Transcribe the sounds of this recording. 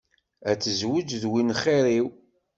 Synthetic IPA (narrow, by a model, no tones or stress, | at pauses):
æt͡sːəzwʊd͡ʒðwinχiɾiw